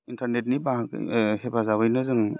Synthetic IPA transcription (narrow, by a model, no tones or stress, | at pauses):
intʰaɾnet̚nibaɦkhepʰazaβɯjnɯzɯŋ